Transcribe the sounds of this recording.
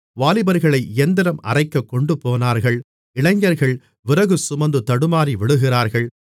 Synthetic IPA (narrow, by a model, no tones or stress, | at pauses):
ʋaːlɪbɐɾɣɐɭɐɪɛnd̪ɪɾɐmɐ̰rɐɪkːɐkːɔɳɖɯpoːnaːɾɣɐɭ | ɪɭɐɪɲːɐɾɣɐɭ | ʋɪɾɐɣɯsʊmɐnd̪ɯt̪ɐɽɯmaːɾiʋɪɭɯɣɪraːɾɣɐɭ